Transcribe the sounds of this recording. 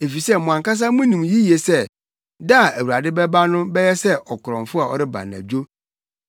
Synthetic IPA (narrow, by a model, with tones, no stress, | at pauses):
e˨fi˨sɛ˦mɔ̃˨ã˨ŋka˦s̬a˦mʊ̃˦nĩ˨mji˦je˨sɛ˦ | da˦˨æ˨wu˨ɾa˨dɪ˦bɛ˦ba˦nʊ̃˦bɛ˦jɛ˦sɛ˦ɔ˨kʰʊ˨ɾɔ̃˨ɱfʊ˦a˨ɔ̰˦ɾɪ˦ba̰˨nã̰˨d͡ʑᶣo˦